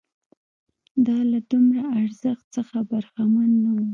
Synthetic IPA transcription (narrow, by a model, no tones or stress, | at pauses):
d̪ɑlad̪umɾaːɾzəxt̪səxabaɾxamanːawu